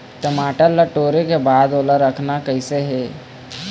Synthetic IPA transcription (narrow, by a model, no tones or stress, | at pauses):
ʈəmaːʈəɾːəʈoːɾekebaːd̪oːləɾːəkʰnakəɪseɦɛː